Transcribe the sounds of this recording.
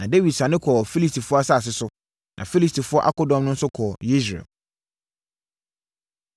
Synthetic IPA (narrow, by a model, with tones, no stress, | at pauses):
nã˨de˦wi˨dsã˨nɪ̃˦kʰɔ˨fi˦li˦stʰi˨fʊ˦ɔ˦a˦sa˦˨s̬ɪ˦sʊ˦ | nʔã˨fi˦li˦stʰi˨fʊ˦ɔ˦ʔa̰˦kɔ˦dɔ̃˦mnʊ̃˦n̩˦sʊ˦kʰɔ˨i˦s̬ɾḛ˨